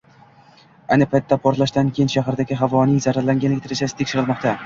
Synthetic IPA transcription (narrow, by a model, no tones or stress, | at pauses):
ajnɪpʰajt̪ʰːapʰɒɾt̪lˠaʃt̪ankʲʰejɪnʃaɦaɾd̪aɡʲɪɦavɒnɪjzaɾaɾlaŋɡʲanlɪk̚ʲt̪ʰɪɾet͡ʃasɪ̥t̪ʰekʃɪɾɪlˠmɒqt̪ʰa